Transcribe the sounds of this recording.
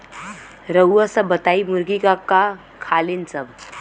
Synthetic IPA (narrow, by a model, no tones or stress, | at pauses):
ɾəːəsəbət̪aimuɾɡikaka | kʰalinsəb